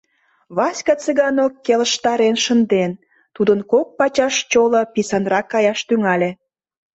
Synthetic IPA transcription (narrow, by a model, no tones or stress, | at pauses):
βɑsʲkɑt͡seɣɑnokːeləʃt̪ɑɾenʃənd̪en | t̪ud̪ənkok̚pɑt͡ɕɑʃt͡ɕolɤ̆pisɑnrɑkːɑjɑʃt̪yŋɑlʲĕ